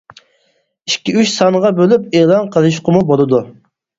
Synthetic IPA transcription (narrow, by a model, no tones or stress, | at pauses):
i̥ʃkʲːiyt͡ʃsɑnəʁɑbølypelˠɑnqʰəlˠɨʃ̬qəmubolˠɨd̪u